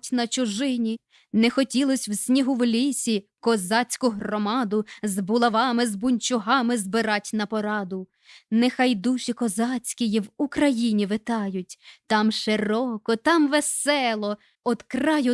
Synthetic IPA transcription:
tʲnɐt͡ʃʊʒɪnʲi | nɛxɔtʲilˠɔsʲwsʲnʲiɦuwlʲisʲikɔzɑt͡sʲkʊɦrɔmɑd̪ʊzbʊlˠɐʋɑmɪzbʊnʲt͡ʃʊɦɑmɪzbɪɾɑtʲnɐpɔɾɑd̪ʊ | nɛxɑjd̪uʃʲikɔzɑt͡sʲkʲijiwukɾɐjinʲiʋɪt̪ɑjʊt̚ʲt̪ɑmʃeɾɔkɔt̪ɑmʋesɛlˠɔ | ɔd̪krɑjʊ

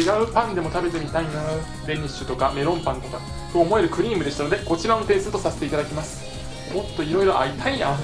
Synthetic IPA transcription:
eɡaɯ̟pãnd̪e̞mo̞t̪abe̞t̪e̞mʲit̪aino | d̪e̞ɲ̟iɕɨt̪o̞kame̞ɾõ̞mpãnt̪o̞ka | t̪o̞ːmo̞e̞ɾɯ̟kɯ̟ɾʲiːmɯd̪est̪ano̞d̪e̞ko̞t͡ɕiɾanot̪e̞ːsɨt̪o̞saset̪eit̪ad̪akʲimasɨ̥ | mo̞t̪ːo̞iɾo̞iɾo̞ʔait̪ʰaia

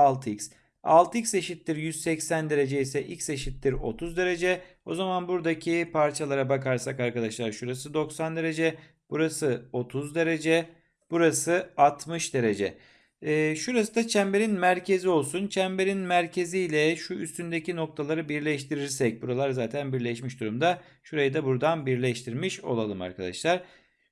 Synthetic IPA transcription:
alˠt̪ʰics | a̰lˠt̪ʰicse̞ʃit̪lːʲiɾjyz̥sɛcsænd̪e̞ɾe̞d͡ʒeisɛʔilʲcse̞ʃit̪lʲiɾo̞̰t̪ʰuzd̪e̞ɾe̞d͡ʒɛo̞zamanbuɾd̪acʰipʰaɾt͡ʃʰalˠaɾabakaɾsakaɾkad̪aʃlˠaɾʃuɾasɯd̪o̞ksand̪e̞ɾe̞d͡ʒɛ | b̥uɾasɯo̞t̪ʰuzd̪e̞ɾe̞d͡ʒɛ | b̥uɾasɯat̪ʰmɯʃd̪e̞ɾe̞d͡ʒɛ̰ː | ʃuɾasɯd̪at͡ʃʰæmbe̞ɾinmæɾcʰe̞zio̞lˠsunt͡ʃʰɛmbe̞ɾinmæɾcʰe̞zijlʲɛʃuyst̪ynd̪ecino̞k̚t̪ʰalˠaɾɯbiɾlʲɛʃt̪ʰiɾiɾsɛc̚buɾalˠaɾzaːt̪ʰænbiɾlʲɛʃmiʃd̪uɾumd̪a | ʃuɾajɯd̪abuɾd̪anbiɾlʲɛʃt̪ʰiɾmiʃo̞̰lˠalˠɯma̰ɾkʰad̪a̰ʃlˠaɾ̥

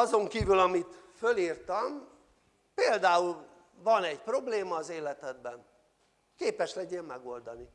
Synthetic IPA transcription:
ɒzo̞ŋkiːvylɒmit̪føliːrt̪ɒm | peːld̪aːul | vɒnɛɟpro̞bleːmɒːzeːlɛt̪ɛd̪̚bɛn | keːpɛʃlɛɟeːmmɛɡo̞ld̪ɒni

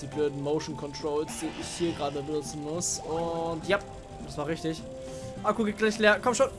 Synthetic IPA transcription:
d̥iːbløːdn̩moʊʃn̩kʰɔntʁ̥oʊlsd̥iːʔɪçhiːɐɡʁaːdəbənʊt͡sn̩mʊsʊntjap | d̥asv̥aːʁɪçtɪç | ʔakuɡeːɡ̥laɪçleːɐkʰɔmʃoːn

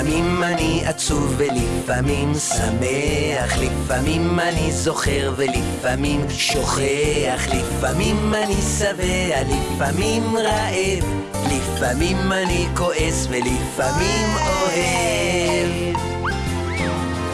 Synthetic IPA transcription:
mimaniat͡suvelifamimsame | aχlifamimanizoχe̞ʁvelifamim | ʃo̞χeaχlifamimanisavealifʔamimʁaʔev | lifamimaniko̞ʔe̞svelifamimohe | v

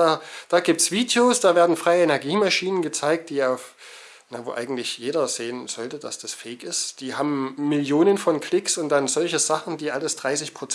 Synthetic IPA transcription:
aːd̥aːɡiːp̚tsv̥iːdjosd̥aːveːɐdn̩fʁ̥aɪəɛnɛɐɡiːmaʃiːnənɡət͡saɪk̚t̚d̥iːaʊf | navo̰ːʔaɪɡŋ̩tlɪçjeːɾɐz̥eːənz̥ɔltəd̥a̰sd̥asfɛɪkɪstd̥iːɦaːbm̩ːɪljoːnənfɔnkʰl̥ɪksʊnt̚d̥anzɔlçəz̥aχn̩diːʔaləsd̥ʁaɪsɪçpʁ̥ot͡s

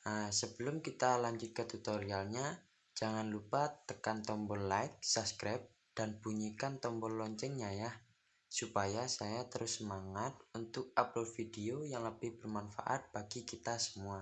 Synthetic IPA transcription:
əsəbəlʊmkit̪alaɲd͡ʒʊt̪̚kət̪ut̪oɾialɲa | d͡ʒaŋanlupat̪əkant̪ɔmbɔlaɪk̚saskɾap̚ | d̥anb̥uɲikant̪ɔmbɔllɔɲt͡ʃɛŋɲajah | supajasajat̪əɾʊsːəmaŋat̪̚unt̪ʊk̚apəlfideojaŋləb̥ɪhb̥ərmanfa̰ʔa̰t̪̚b̥aɡikit̪asə̥mua

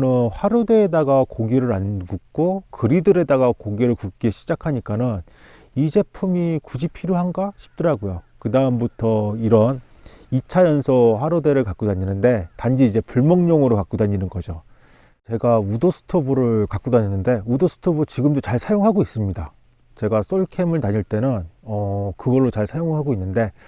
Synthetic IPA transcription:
nɯnɸwaɾode̞ːdaɡakoɡiɾɯɾanbuk̚k͈okɯɾidɯɾe̞daɡakoɡiɾɯɭkuk͈e̞ɕʰid͡ʑakʰaɲik͈anɯn | id͡ʑe̞pʰumikud͡ʑipʰiɾjoɦanɡaɕʰi̥p̚t͈ʌɾaɡojokɯdaɯmbutʰʌiɾʌn | it͡ɕʰajʌnsʰʌɸwaɾode̞ɾɯɭkak͈udaɲinɯnde̞tand͡ʑiid͡ʑe̞puɭmʌŋɲʌŋɯɾokak͈udaɲinɯnɡʌd͡ʑo | t͡ɕe̞ɡaudosʰɯ̥tʰobuɾɯɭkak͈udaɲinːɯnde̞udosʰɯ̥tʰobut͡ɕiɡɯmdot͡ɕaɭsʰajoŋɦaɡois͈ɯmɲida | t͡ɕe̞ɡas͈oɭkʰe̞mɯɭtaɲiɭt͈e̞nɯnʌkɯɡʌɭːot͡ɕaɭsʰajoŋɦaɡoinːɯnde̞

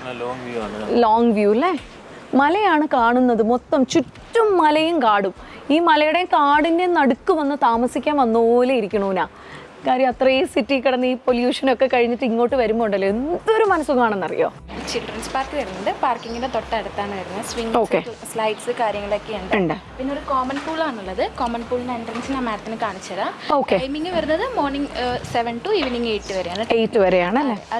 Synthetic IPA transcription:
loːŋɡʋjuːilːe | mɐlɐjaːɳɨkaːɳunːɐðɨmot̪ːɐmt͡ɕutːumːɐlɐjumkaːɽum | iːmɐlɐjuɽekaːɽindenɐɽukːumʋenːɨt̪aːmɐsikʲːaːnɐnːoːleiɾikʲːuɳuːunaː | kaːɾjɐmɐt̪rɐiːsitːikːiɽɐnːɨiːpo̞ljuːʂɐno̞kːe̞kɐɻiɲːiʈːɨiŋːo̞ːʈːɨʋɐɾumːoːuɳɖɐlːoend̪o̞ɾumɐnɐsuɣɐaːɳenːɐrḭjo̰ːt͡ɕilɖrɐnspaːrkːɨʋɐɾunːuɳɖɨpaːrkiŋːindet̪o̞ʈːɐɐɽut̪ːaːɳɨʋɐɾunːɐsʋiŋo̞ːkkːeslɐjɖsɨkaːɾjɐŋːɐɭokːeuɳɖɨuɳɖɨpinːeoɾukoːmɐnfuːɭaːɳuɭːɐðɨkoːmɐnfuːɭindenɖrɐnsinɐmːaːɾɐt̪ːinɨkaːɳit͡ɕːɐðao̞ːkːeɐjmiŋːɨʋɐɾunːɐðɨmoːrɳiŋseʋɐnʈuiʋiniŋɡejʈːɨʋɐɾejaːɳɨejʈːɨʋɐɾe̞jaːɳɐlːeɐ

